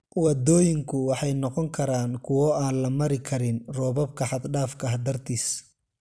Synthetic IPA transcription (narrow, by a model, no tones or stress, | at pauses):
wɐd̪ɔːjɪŋkʰʊwɑħɑjnɔqɔŋkʰɐɾaːnkʰʊwɔːaːnlɐmɐɾɪkʰɐɾɪnrɔːβɐb̚kʰɐħɑd̪ɖaːfkʰɐɦɐd̪ɐrt̪ʰiːs